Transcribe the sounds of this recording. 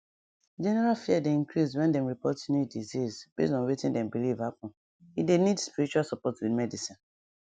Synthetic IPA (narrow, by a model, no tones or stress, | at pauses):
d͡ʒɛnɛɹalfiɛdeĩnkɹiswɛ̃ndɛ̃mɹipɔtnjudizizb̥ḛsɔ̃nwetĩndɛ̃mbilivhapɔ̃n | idenidspiɹit͡ʃualsɔpɔtwidmɛdisĩn